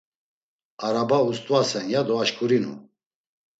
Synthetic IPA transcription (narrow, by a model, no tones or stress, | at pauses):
aɾabaust̪ʼvasɛnjad̪ɔaʃkʰʼuɾinṵ